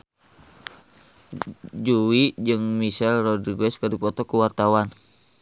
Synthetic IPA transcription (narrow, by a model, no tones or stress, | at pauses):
d͡ʒuwid͡ʒɨŋmisɛlrɔdiɡwɛskərdipɔt̪ɔkuwart̪awan